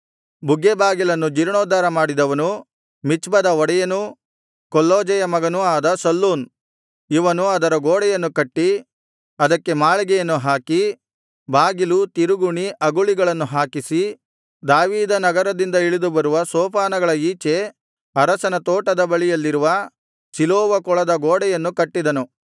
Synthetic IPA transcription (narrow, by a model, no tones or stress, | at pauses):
buɡːebaːɡilɐnːud͡ʒiɾɳoːd̪aːɾɐmaːɽid̪ɐʋɐnu | mit͡ʃbɐd̪ɐɔɽɛjɐnu | kɔlːoːd͡ʒɐjɐmɐɡɐnuaːd̪ɐsɐlːuːn | iʋɐnuɐd̪ɐɾɐɡoːɽɛjɐnːukɐʈːi | ɐd̪ɐkːe̞maːɭɛɡɛjɐnːuɦaːki | baːɡilut̪iɾuɡuɳiʔɐɡuɭiɡɐɭɐnːuɦaːkisi | d̪aːʋiːd̪ɐnɐɡɐɾɐd̪ind̪ɐiɭid̪ubɐɾuʋɐsɔːpaːnɐɡɐɭɐiːt͡ʃe̞ | ɐɾɐsɐnɐt̪oːʈɐd̪ɐbɐɭijɐlːiɾuʋɐ | siloːʋɐkɔɭɐd̪ɐɡoːɽɛjɐnːukɐʈːid̪ɐnu